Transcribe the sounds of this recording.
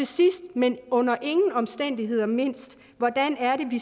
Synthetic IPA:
e̝sisd̥menɔ̽n̰ɐʔe̝ŋn̩ɒ̽msd̥en̰d̥iɦe̝ð̞̰ˠɐme̝n̰sd̥ | ʋɒd̥ænæɐɾe̝ʋi

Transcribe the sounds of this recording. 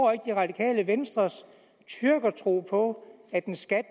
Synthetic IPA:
e̝ɡ̥əd̥iʁɑ̈d̥ikʰɛ̰ːləʋensd̥ʁɐs | t͡sʰyɐɡ̥ɐt͡sʰʁo̝̰ːpʰɒ̽ | æd̥ensɡ̥æd̥

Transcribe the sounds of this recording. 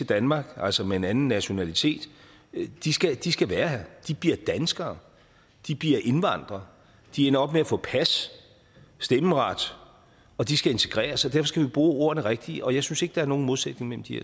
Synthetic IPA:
t͡se̝ld̥ænmɑ̈ɡ̥ælsɒmee̝nænn̩ːæɕo̝nælit͡sʰe̝̰ːd̥ | d̥isɡ̥æd̥isɡ̥æʋæːɐhæɐd̥ib̥iɐd̥ænsɡ̥ɐː | d̥ib̥liɐʔe̝nʋɑ̈n̰d̥ʁɐ | d̥ienɐɒ̽b̥meæfɔ̰̽ːpʰæsː | d̥eməʁɑ̈d̥ | ɒ̽d̥isɡ̥æe̝nt͡sʰe̝ɡ̥ʁɛ̰ːɐsɒ̽d̥æɐfɒ̽sɡ̥æʋib̥ʁuːo̝̰ːɐnəʁeɡ̥̚d̥iʔɒ̽jɑ̈ɪsynse̝ɡ̥d̥ɑ̈æɐno̝ːn̩mo̝ð̞ˠsed̥ne̝ŋmel̰m̩d̥iæɐ

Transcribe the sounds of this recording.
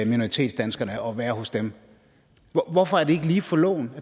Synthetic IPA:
mino̝ʁit͡sʰḛːd̥sd̥ænsɡ̥ɐnəɒ̽ʋæːɐhɔ̽sd̥em | ʋɒfɒ̽æɐd̥e̝e̝ɡ̥əliːfɒ̽lɔ̰ːʊnæ

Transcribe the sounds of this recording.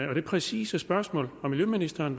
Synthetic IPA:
ɒ̽d̥ɾ̥e̝pʰʁɛsḭːsəsb̥ɶɐsmɔ̰ːlɒmːiljøminisd̥ɐn

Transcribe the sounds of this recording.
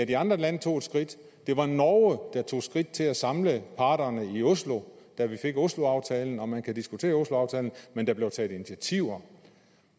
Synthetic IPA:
æd̥iɑ̈nd̥ʁɐlænət͡sʰo̝̰ːd̥sɡ̥ʁid̥ | d̥e̝ʋɑ̈nɒʊəd̥ɑ̈t͡sʰo̝̰ːsɡ̥ʁid̥̚t͡sʰe̝læsɑ̈mləpʰɑ̈ːd̥ɐnəio̝slo̝ | d̥æʋife̝ɡ̥o̝slo̝ɑ̈ʊt͡sʰɛːln̩ɒ̽mænkʰæd̥isɡ̥ut͡sʰe̝̰ːɐo̝slo̝ɑ̈ʊt͡sʰɛ̰ːln̩mend̥ɑ̈ble̝ʊt͡sʰɛ̰ːð̥̩ˠinit͡sʰæt͡sʰiʊ̰ɐ

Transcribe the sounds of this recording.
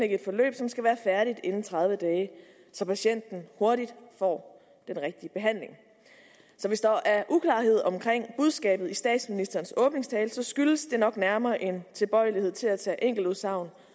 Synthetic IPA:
eɡ̥ed̥fɒ̽lø̰ːb̥sɒ̽msɡ̥æʋæːɐfæɐɾ̥id̥e̝nn̩t͡sʰʁɑ̈ð̞ˠʋəd̥ɛː | sɒ̽pʰæɕen̰d̥n̩ho̝ɐɾid̥fɒ̰ː | d̥enʁɛɡ̥̚d̥iəb̥e̝ɦæn̰le̝ŋ | sɒ̽ʋe̝sd̥ɑʔæʔukʰlɑ̰̈ːɦe̝ð̞̰ˠɒ̽mkʰʁeŋ̰b̥uð̞ˠsɡ̥ɛ̰ːb̥ð̞̩ˠisd̥ɛ̰ːd̥sminisd̥ɐːnsɔ̽ːb̥ne̝ŋst͡sʰɛːlsɒ̽sɡ̥yləsd̥e̝nɒ̽ɡ̥næɐmɐːʔe̝nt͡sʰe̝lb̥ɒ̽ɪlihe̝ð̰ˠt͡sʰe̝læt͡sʰɛ̰ːʔeŋ̰ɡ̥l̩uðˠsɑ̈ʊ̰n

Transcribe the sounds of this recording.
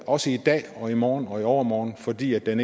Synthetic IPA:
ɒ̽səid̥ɛ̰ːɒ̽imɒːn̩ɒ̽iɒʊɐmɒːn̩fɒ̽d̥ḭːæd̥ene

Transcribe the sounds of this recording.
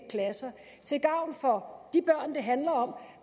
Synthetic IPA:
kʰlæsɐ | t͡sʰe̝lɡ̥ɑ̈ʊ̰nfɒ̽d̥ib̥ɶɐ̰nd̥e̝ɦænlɐɒ̽m̰

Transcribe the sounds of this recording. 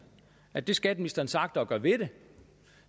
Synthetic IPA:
æd̥e̝sɡ̥ɛd̥misd̥ɐnsɑ̈ɡ̥d̥ɒ̽ɡ̥ɶɐʋe̝de̝

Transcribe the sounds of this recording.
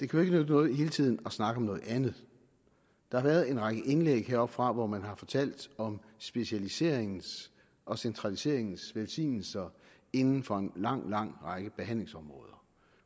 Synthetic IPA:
d̥e̝kʰæjoe̝ɡ̥ənød̥ənɔ̽ːð̞̩ˠɦe̝ːlt͡sʰið̰ˠn̩ɒ̽snɑ̈ɡ̥əɒ̽mnɔ̽ːð̞̩ˠænð̩ˠ | d̥ɑ̈hɑ̈ʋæɐð̞ˠe̝nʁɑ̈ɡ̥əʔe̝nleɡ̥heɐɒ̽b̥fʁɑ̈ʋɒmænɦɑ̈fɒ̽t͡sʰæl̰d̥ɒ̽msb̥e̝ɕælise̝̰ɐ̰eŋn̩s | ʔɒ̽sent͡sʰʁɑ̈lise̝ɐ̰e̝ŋn̩sʋelsḭːnl̩sɐ | e̝nn̩fɒ̽e̝nlɑ̈ŋ̰lɑ̈ŋ̰ʁɑ̈ɡ̥əb̥e̝ɦæn̰le̝ŋsɒ̽mʁɔ̽ːð̞ˠɐ

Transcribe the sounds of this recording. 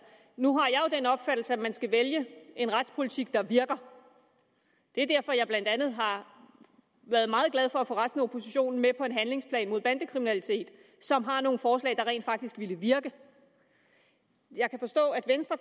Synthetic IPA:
nuɦɑ̈jɑ̈ɪjo̝d̥enɒ̽b̥fæd̥l̩səæmænsɡ̥æʋeljəe̝nʁad̥spʰo̝lit͡sʰiɡ̥̚d̥ɑ̈ʋiɐɡ̥ɐ | d̥e̝æɐdæɐfɒ̽jɑɪb̥lænd̥ænð̩ˠɦɑ̈ | ʋæːɐðˠmɑ̈ːð̩ˠɡ̥læð̞ˠfɒ̽æfɔ̰ʁasd̥n̩əopʰo̝siɕo̝̰ːnn̩mepʰɒ̽e̝nɦænle̝ŋspʰlɛ̰ːnmo̝ð̰ˠb̥ænd̥əkʰʁiminælit͡sʰe̝̰ːd̥ | sɒ̽mɦɑ̈no̝ːn̩fɒːslɛ̰ːɪd̥ɑ̈ʁɛḛːnd̥fɑ̈ɡ̥̚d̥isɡ̥ʋiləʋiɐɡ̥ə | jɑ̈ɪkʰæfɒ̽sd̥ɔ̰̽ːæd̥ʋensd̥ʁɐ

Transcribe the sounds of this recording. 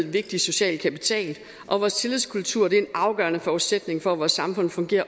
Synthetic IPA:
ʋe̝ɡ̥̚d̥i̥so̝ɕɛ̰ːl̚kʰæpit͡sʰɛ̰ːl | ʔɒ̽ʋɒːst͡sʰe̝liðˠskʰult͡sʰuɐ̰d̥e̝æe̝nɑ̈ʊɡ̥ɶɐnəfɒu̥sed̥ne̝ŋfɒ̽æʋɒːsːɑ̈mfɔ̽n̰fɔ̽ŋɡ̥e̝̰ːɐ

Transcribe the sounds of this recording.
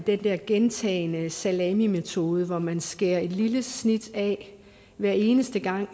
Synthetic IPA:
d̥end̥eɐɡ̥ent͡sʰɛ̰ːɪnəsælɛmime̝t͡sʰo̝ːð̞ˠəʋɒmænsɡ̥e̝ɐ̰e̝d̥liləsnid̥ɛ | ʋæɐ̰e̝ːnəsd̥əɡ̥ɑ̈ŋ̰

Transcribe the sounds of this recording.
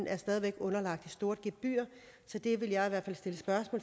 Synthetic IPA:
n̩æɐsd̥ɛːðˠiʋeɡ̥ɔ̽nɐlɑ̈ɡ̥̚d̥isd̥o̝ːɐd̥ɡ̥eb̥̚b̥y̰ːɐ | sɒ̽d̥e̝ʋe̝ljɑ̈ɪiʋæɐ̰dfæl̰sd̥e̝ləsb̥ɶɐsmɔ̰ː

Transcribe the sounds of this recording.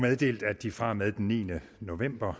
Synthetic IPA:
með̞ˠd̥e̝̰ːld̥æd̥ifʁɑ̈með̞ˠd̥enːḭːnə | no̝ʋem̰b̥ɐ

